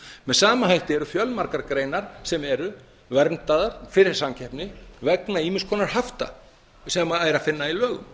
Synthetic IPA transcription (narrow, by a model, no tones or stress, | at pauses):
mɛðsaːmaɦajht̪ɪɛɾʏfjœlmaɾkaɾkɾejnaɾ̥sɛmɛɾʏ | vɛɾnt̪aðaɾ̥fɪɾɪɾ̥samcʰɛhpnɪvɛknaiːmɪnskʰɔːnaɾ̥haft̪a̰ | sɛmaaːjɾafɪnːailœːɣʏ̰m